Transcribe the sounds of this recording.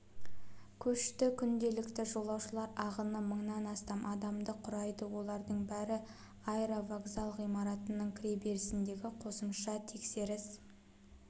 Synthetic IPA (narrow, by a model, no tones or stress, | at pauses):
kʲʰɵʃt̪ɪkʲʰʏnd̪e̞lɪkt̪ɪʒo̞lˠɑwʃəlˠɑɾɑʁənəməɴnɑnɑst̪ɑmʔɑd̪ɑmd̪əqʰʊɾɑjd̪əwo̞lˠɑɾd̪əɴbæɾɪ | ɑjɾavaɡzalˠʁijmɑɾɑt̪ənəɴkʲʰɾʲebe̞ɾɪsɪnd̪e̞ɡʲɪqʰo̞səmʃɑt̪ʰe̞kse̞ɾɪs